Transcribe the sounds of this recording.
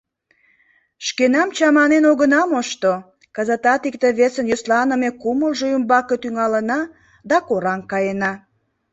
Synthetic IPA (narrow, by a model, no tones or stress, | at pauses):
ʃkenɑmt͡ɕɑmɑnenoɣənɑmoʃt̪o | kɑzɑt̪ɑt̪ikt̪eβesənjoslɑnəmekuməlʒoəmbɑket̪yŋɑlənɑ | d̪ɑkoɾɑŋkɑjenɑ